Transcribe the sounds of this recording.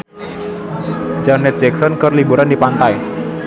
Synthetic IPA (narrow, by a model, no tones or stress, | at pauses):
d͡ʒanɛt̪̚d͡ʒɛksɔnkərlibuɾandipant̪aj